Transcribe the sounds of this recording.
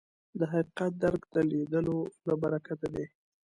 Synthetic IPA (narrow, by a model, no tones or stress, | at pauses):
d̪əɦaqi̥qat̪̚d̪aɾɡd̪əled̪əlolabaɾakad̪ad̪e